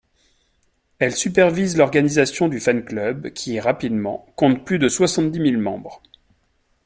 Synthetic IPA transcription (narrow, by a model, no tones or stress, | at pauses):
ɛlsypɛʁvizlɔʁɡanizasjɔ̃d̪yfanklœbkʲʰiʁapid̪mɑ̰̃kɔ̃t̪̚plyd̪əswasɑ̃t̪̚d̪imilmɑ̃bʁ